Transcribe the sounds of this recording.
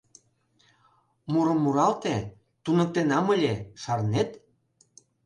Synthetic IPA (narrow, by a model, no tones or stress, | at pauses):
muɾəmːuɾɑlt̪e | t̪unək̚t̪enɑməlʲeʃɑrnet̪